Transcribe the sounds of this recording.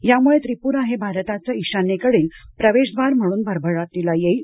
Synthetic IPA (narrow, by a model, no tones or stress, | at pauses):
jamuɭet̪ɾipuːɾaɦebʱaɾt̪at͡saiɕanekəɽiːlpɾəʋeɕd̪ʋaɾm̤əɽ̃uːnbʱəɾbʱəɭat̪ːilajei